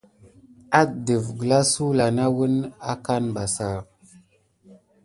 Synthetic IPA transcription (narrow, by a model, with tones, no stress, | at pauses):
a˦də˨vɡə˨la˦su˦la˨na˦wə˦na˦ka˦nba˨sa˨